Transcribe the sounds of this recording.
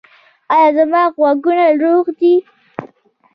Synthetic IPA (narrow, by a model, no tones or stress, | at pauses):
ɑjɑzamɑɣwaɡunaɾoɣd̪i